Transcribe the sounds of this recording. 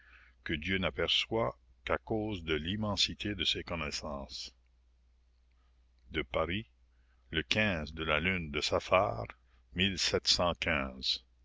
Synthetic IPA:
kəd̪jønapɛʁswakakoːzd̪əlimɑ̃sit̪ʰed̪əsekɔnɛsɑ̃s | d̪əpaʁi | ləkɛ̃zd̪əlalynd̪əsafa̰ːʁ | milsɛt̪sɑ̃kɛ̃ːz̥

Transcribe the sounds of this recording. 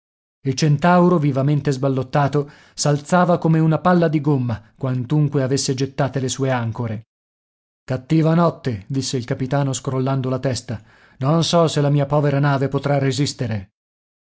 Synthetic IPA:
ilt͡ʃent̪awɾovivament̪ezbalːot̪ːaːt̪o | salt̪saːvakomeunapalːad̪iɡomːakwant̪uŋkweavesːed͡ʒet̪ːaːt̪elesuːeaŋkoɾe | kat̪ːiːvanɔt̪ːed̪isːeilkapit̪aːnoskɾolːand̪olat̪ɛst̪a | nonsɔselamiːapɔːveɾanaːvepot̪ɾarːezist̪eɾe

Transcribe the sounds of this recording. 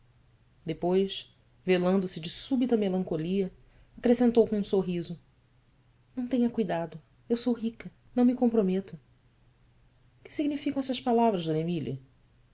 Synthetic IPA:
d̪epojʃ | velɐ̃nd̪ʊsɪd͡ʒɪsubit̪ɐmelɐ̃ŋkoliɐ | akɾesẽnt̪owkõũsoɦizʊ | nɐ̃w̃t̪ẽɲɐkujd̪ad̪ʊ | ewsowɦikɐ | nɐ̃w̃mikõmpɾomet̪ʊ | kɪ̥siɡnifikɐ̃ɛsɐʃpalavɾɐzd̪õnemiliɐ̰

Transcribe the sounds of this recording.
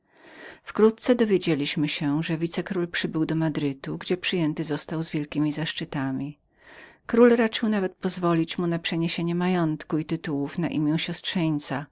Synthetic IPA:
fkɾut̪̚t̪sɛd̪ɔvʲjed͡ʑelʲiɕmɘɕɛʐɛvʲit̪sɛkɾulpʂɘbɘwd̪ɔmad̪ɾɘt̪uɡd͡ʑɛpʂɘjɛnt̪ɘzɔst̪awzvʲjɛlkʲimʲizaʂt͡ʂɘt̪amʲi | kɾulɾat͡ʂɘwnavɛt̪̚pɔzvɔlʲit͡ɕmunapʂɛɲeɕeɲɛmajɔnt̪kuit̪ɘt̪uwufnaʔimʲjɛ̃w̃ɕɔstʂɛɲt̪sa

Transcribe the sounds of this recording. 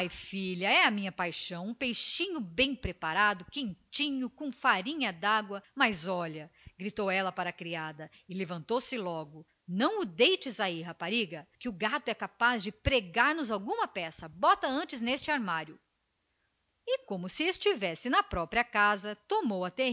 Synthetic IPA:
ajfiʎɐɛɐmĩɲɐpajʃɐ̃w̃ũpejʃĩɲʊbẽj̃pɾepaɾad̪ʊkẽnt͡ʃĩɲʊkõfaɾĩɲɐd̪aɡwɐmazɔʎɐɡɾit̪owɛlɐpaɾɐkɾiad̪ɐ | ɪlevɐ̃nt̪owsɪlɔɡʊ | nɐ̃w̃ʊd̪ejt͡ʃɪzaiɦapaɾiɡɐkɪʊɡat̪ʊɛkapazd͡ʒɪpɾeɡaɾnʊzawɡũmɐpɛsɐbɔt̪ɐɐ̃nt͡ʃɪznest͡ʃɪaɾmaɾjʊ | ɪkõmʊsɪest͡ʃivɛsɪnɐpɾɔpɾiɐkazɐt̪omowɐt̪e

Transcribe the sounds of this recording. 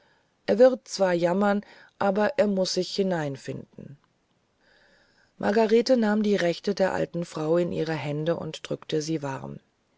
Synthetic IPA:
ʔeːɐvɪɐʁt̚t͡sv̥aːɐjamɐn | ʔaːbɐʔeːɐmʊsz̥ɪçhɪnaɪnfɪndn̩ | mʔa̰ɐɡaʁeːtənaːmdiːʁɛçtədeːɐʔa̰ltn̩fʁ̥aʊɪnʔḭːʁ̞əɦɛndəʔʊ̰ntd̥ʁʏktəziːva̰ʁm

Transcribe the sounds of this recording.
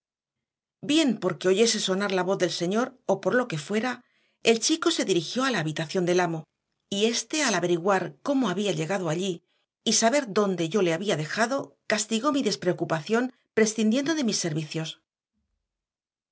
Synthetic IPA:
bje̞mpo̞ɾke̞o̞ʝe̞se̞so̞naɾlaβo̞θðe̞lse̞ɲo̞ɾo̞po̞ɾlo̞ke̞fwe̞ɾa | e̞lt͡ʃiko̞se̞ðiɾixjo̞alaːβit̪aθjo̞nd̪e̞lamo̞ | ie̞st̪e̞alaβe̞ɾiɣwaɾko̞mo̞aβiaʎe̞ɣaðoaʎiː | saβe̞ɾðo̞nd̪e̞ʝo̞le̞aβiaðe̞xaðo̞kast̪iɣo̞miðe̞spɾe̞okupaθjo̞n | pɾe̞sθind̪je̞nd̪o̞ðe̞misːe̞ɾβiθjo̞s

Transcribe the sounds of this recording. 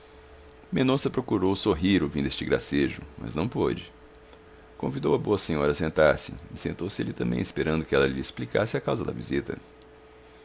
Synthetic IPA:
mẽnõsɐpɾokuɾowsoɦiɾʊvĩd̪est͡ʃɪɡɾa̰seʒʊ̰mɐ̰znɐ̃w̃po̰d͡ʒɪ | kõvid̪owɐboɐsẽɲɔɾɐsẽnt̪aɾsɪ̰ɪsẽnt̪owsɪḛlɪt̪ɐ̃mbḛ̃j̃ɪspeɾɐ̃nd̪ʊkɪɛlɐʎɪesplika̰sɪakawzɐd̪ɐ̰vḭzit̪ɐ̰

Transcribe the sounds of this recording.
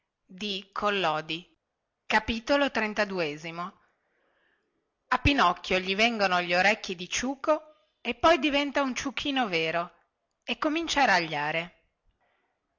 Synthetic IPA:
d̪ikʰolːɔːd̪i | kapiːt̪olot̪ɾent̪ad̪ueːzimo | apːinɔkːjoʎivɛŋɡonoʎoɾɛkːid̪it͡ʃuːko | epːɔjd̪ivɛnt̪aunt͡ʃukʰːiːnoveːɾo | ekːomint͡ʃaːɾaʎːaːɾe

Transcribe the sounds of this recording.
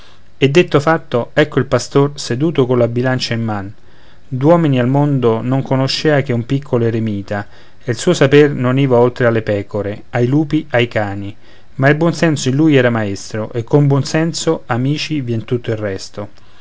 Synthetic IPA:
ed̪ːet̪ːofat̪ːoɛkːoilpast̪orsed̪uːt̪okolabilant͡ʃaimːan | d̪wɔːminialmond̪onoŋkonoʃːeːak̟eumpikʰːoloeɾemiːt̪a | elsuːosapernoniːvaolt̪ɾealːepɛːkoɾe | ajluːpiʔajkaːni | mailbwɔnsɛnsoinluːjɛːɾamaest̪ɾoʔekʰːombwɔnsɛnsoamiːt͡ʃivjɛnt̪ut̪ːoilrːɛst̪o

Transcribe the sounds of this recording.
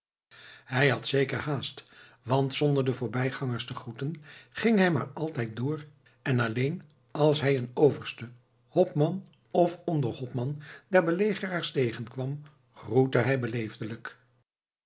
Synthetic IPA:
ɦɛjɦɑtsejkəɹhaːst | ʋɑntsɔndəɹdəvʊːɹbɛjχɑŋəɹstəχrutənχɪŋɦɛjma̰ːɹɑlˠtɛjt̚dʊːɹ | ɛnɑlejn | ɑlˠsɦɛjənowvəɹstə | hɔpmɑn | ɔfɔndəɹhɔpmɑndɛɹbəlejχəraːɹstejχənkʋɑm | χrutəɦɛjbəlejvdələk

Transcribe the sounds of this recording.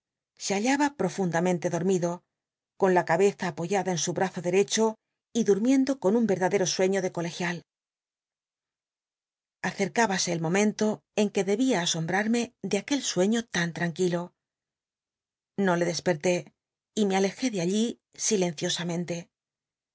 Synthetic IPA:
se̞aʎaβapɾo̞fund̪amẽnt̪e̞ðo̞ɾmiðo̞ | ko̞nlakaβe̞θaːpo̞ʝaðae̞nsuβɾaθoðe̞ɾe̞t͡ʃo̞ | iðuɾmje̞nd̪o̞ko̞numbe̞ɾðaðe̞ɾo̞swe̞ɲo̞ðe̞ko̞le̞xjal | aθe̞ɾkaβase̞ːlmõ̞mẽnt̪o̞e̞ŋke̞ðe̞βiaːso̞mbɾaɾme̞ðeake̞lswe̞ɲo̞t̪ant̪ɾaŋkilo̞ | no̞le̞ðe̞spe̞ɾt̪e̞ | ime̞ale̞xe̞ðeaʎi | sile̞n̟θjo̞samẽ̞nt̪e̞

